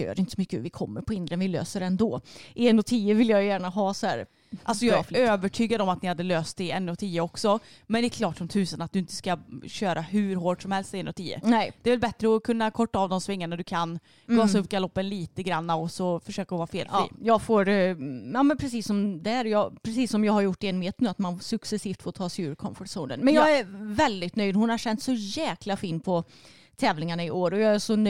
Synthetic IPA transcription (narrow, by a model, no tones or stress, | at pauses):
ø̰ːɾɪnt̪ə̥sɔmʏkːəvɪkʰɔmːəɾpʰɔhɪnd̪ɾənvɪlø̰ːsəɾɛnd̪ɔːʔɛnːɔt̪ʰiːəvɪlːjajjæːɳaɦɑːsɔhæ̰ːɾ | alsɔjɑføːvəʈʰyːɡad̪əɔmat̪nɪhad̪ːəløːst̪ɪɛnːɔt̪ʰiːəɔksɔ | mɛnd̪ɛɾkʰlɑːʈsɔmt̪ʰʉ̟ːsənat̪̚d̪ɵɪnt̪ə̥skaɕøːɾʔaɦʉɾɦoːʈʂɔmhɛlst̪ɪɛnɔt̪ʰiːə̰nɛd̪ɛːvɛlbɛt̪ɾəɔkʰɵnːakʰɔʈːaːvd̪ɔmsvɪŋːaɳaɖ̪ɵkʰan | ɡɑːsɵpkalɔpːənliːt̪əɡɾanːaɔsɔfœʂøːkaɔvɑːɾfeːlfḭːjɑːɡfoːɾjɑːmɛnpʰɾɛsiːsːɔmd̪ɛæɾjɑpʰɾɛsiːsːɔmjɑːɡhaɾjʊʈːɛnmeːt̪nʉːat̪mansɵksɛsiːft̪foːt̪ʰɑːsɛjʉːɾkʰɔnfɔʈsuːnə̰nmɛnjɑːɡæɾvɛld̪ɪt̪nœjd̪hʊnhaɕɛnt̪sɔjɛːklafiːnpʰɔ | t̪ʰɛːvlɪŋaɳaɪʔoːɾɔjɑæʂɔn